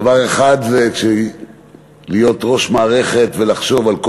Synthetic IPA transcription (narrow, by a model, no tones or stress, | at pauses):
vaʁe̞χad̪zekʃe | lijo̞t̪ʁo̞ʃmaːʁe̞χe̞t̪ve̞laχʃo̞valko